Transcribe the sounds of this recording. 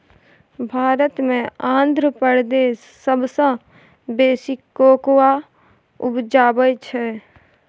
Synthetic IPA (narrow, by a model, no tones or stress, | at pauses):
bʱaːɾət̪mẽãːnd̪ʱɾəpəɾd̪eːsːəbsə̃ | beːsɪkːoːkwa | ʊbd͡ʒaːbəjt͡ʃʰɛ